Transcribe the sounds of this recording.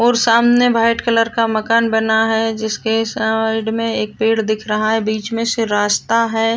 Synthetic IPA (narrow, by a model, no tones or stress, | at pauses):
ɔːɾsaːmnjəbʱaːɪʈkələɾkamɐkaːnbɐnaɦɛd͡ʒɪskesɪɖmẽeːk̚peːɽd̪ɪkʰɾɐɦaɦɛbiːt͡ʃmẽsɪɾaːd͡ʒt̪aɦɛː